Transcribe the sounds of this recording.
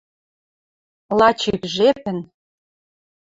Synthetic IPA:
lɑt͡ɕikʒepɘ̆n

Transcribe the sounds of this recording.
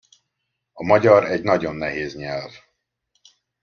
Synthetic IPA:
ɒmɒɟɒɾɛɟnɒɟo̞nːɛɦeːzɲɛlv

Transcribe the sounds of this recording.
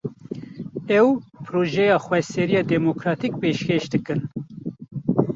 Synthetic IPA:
ɛwpʰɾoːʒɛjɑːxwɛsɛɾijɑːd̪ɛmokɾɑːt̪ik̚peːʃkeʃd̪ɨkɨn

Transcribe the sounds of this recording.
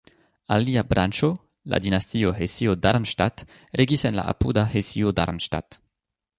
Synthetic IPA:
a̰liabɾʔant͡ʃo | la̰dinastioɦesiodaɾmʃtat | ɾeɡisenla̰ʔa̰pudahesioda̰ɾmʃta̰t

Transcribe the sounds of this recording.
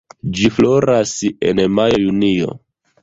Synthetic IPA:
d͡ʒiflo̞ɾase̞̰nmajo̞junio̞̰

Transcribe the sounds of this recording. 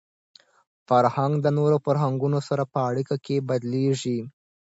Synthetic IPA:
faɾhaŋɡd̪ənoɾofaɾɦaŋɡunosaɾapəaɽikakebad̪leʒi

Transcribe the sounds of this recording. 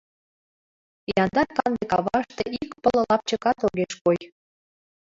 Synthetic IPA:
jɑnd̪ɑrkɑnd̪ekɑβɑəʃt̪eʔikpələ̆lɑp̚t͡ɕəkɑt̪oɣeʃkoj

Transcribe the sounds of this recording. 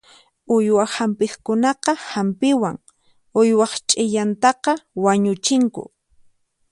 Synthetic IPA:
ʊjwahampɪχkʊnɑqɑhampɪwaŋ | ʊjwɑχt͡ʃʼɪʎant̪ɑqɑwaɲʊt͡ʃɪŋkʊ̰

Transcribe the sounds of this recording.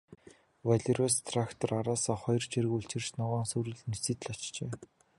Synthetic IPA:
waɮʲerast̪ʰrakt̪ʰɔraɾaːsɔːχɔjrt͡ɕʰiɾɘ̆ɣuɬt͡ɕɪ̆rt͡ɕnɔʁaːnsɵɾɘ̆ɮnisiːt̪̆ɮat͡ɕt͡ɕeː

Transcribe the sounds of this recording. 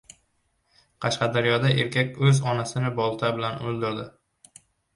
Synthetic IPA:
qʰɑʃqɑd̪aɾjɒd̪ae̞ɾkʲʰakʲɵzɒnasɪnɪbɒlˠt̪ʰabɪlanɵlˠd̪ɪɾd̪ɪ

